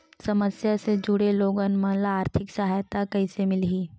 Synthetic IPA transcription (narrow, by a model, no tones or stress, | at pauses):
sɐməsjased͡ʒʊɽeloːɡənmɐɦlaaːɾt̪ʰɪksɐɦajt̪akɐɪsemɪlɦiː